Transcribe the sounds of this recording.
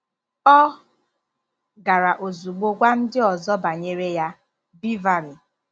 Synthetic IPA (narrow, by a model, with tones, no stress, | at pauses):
ɔ˦ | ɡa˨ɾa˨ʔo˨zu˨ɡ͡bo˦ɡʷa˦n̩˦dɪ˦ɔ˨zɔ˦ba˨ɲe˦ɾe˦ja˦ | bi˦va˨ɾi˨